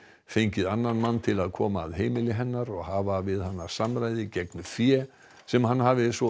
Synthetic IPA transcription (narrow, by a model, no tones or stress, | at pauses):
fejɲcɪðanːanmanːt̪ʰɪlaðkʰɔːmaːðɦeːjmɪlɪɦɛnːaɾɔɣhaːvavɪðhanːḁsamɾaːjðɪcɛknʏfjɛː | sɛmhanːhaːvɪsɔ